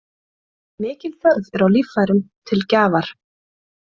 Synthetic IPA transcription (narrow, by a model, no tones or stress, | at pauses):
mɪːcɪlθœɣðɛɾawlifajɾʏmt̪ʰɪlcaːvaɾ̥